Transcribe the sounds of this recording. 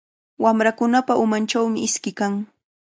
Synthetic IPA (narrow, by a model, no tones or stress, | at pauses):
wamɾakʊnapaʊmant͡ʃawmɪɪskɪkaŋ